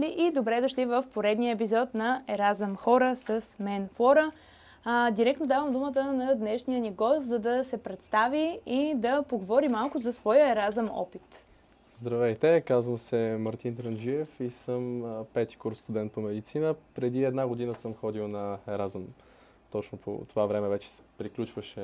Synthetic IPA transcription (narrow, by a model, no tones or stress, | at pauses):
liʔid̪obɾɛd̪oʃlivəfpoɾɛd̪niəɛp̬izɔt̪nɐɛɾazəmxɔɾəsəsmɛnfɔɾə | d̪iɾɛk̪̚nod̪avəmd̪umət̪ənɐd̪nɛʃnijəniɡɔst̪zɐd̪ɐsɛpɾɛt̪st̪aviid̪ɐpoɡovɔɾimalˠkʊzɐsvɔjəɛɾazəmɔ̰pit̪ | zd̪ɾɐvɛjt̪ɛkazvəmsɛmɐɾt̪int̪ɾənʒiɛfisəmpɛt̪i̥kuɾst̪ud̪ɛnt̪̚pomɛd̪it̪sinəpɾɛd̪iɛd̪naɡod̪inəsəmxɔd̪iwˠnɐɛɾazəm | t̪ɔt͡ʃnopʰo̰t̪ovavɾɛmɛvɛt͡ʃɛ̥sɛ̥pɾiklʲut͡ʃvəʃɛ